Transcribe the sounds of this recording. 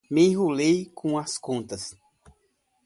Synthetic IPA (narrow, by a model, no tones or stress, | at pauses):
mẽɦulejkʰõɐskõnt̪ɐs